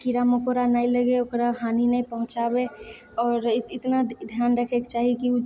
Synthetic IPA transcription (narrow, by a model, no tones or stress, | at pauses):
kiɾamokoɾanailəɡeokɾaɦaːninaĩpəɦʊ̃t͡ʃabe | ɔːɾɪt̪nad̪ʱjaːnɾəkʰekt͡ʃaːɦikiu